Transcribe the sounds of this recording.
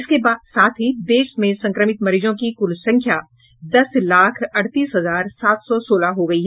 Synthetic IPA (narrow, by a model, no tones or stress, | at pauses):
ɪskebaːd̪saːt̪ʰɦid̪eːʃmẽsɐ̃ŋkɾəmɪt̪mɐɾiːd͡ʒõkikʊlsɐ̃ŋkʰja | d̪ɐslaːkʰɐɽt̪iːsɦɐzaːɾsaːt̪ʰsɔsoːlaɦoɡɐiɦɛ